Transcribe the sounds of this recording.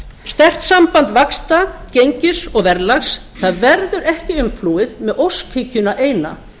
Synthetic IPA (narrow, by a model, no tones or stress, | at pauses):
st̪ɛr̥t̪sampant̪vakst̪acejɲcɪsɔɣvɛɾlaxs | θaðvɛɾðʏɾɛhcɪʏmfluːwɪðmɛðowskʰecʏnaʔeːjna̰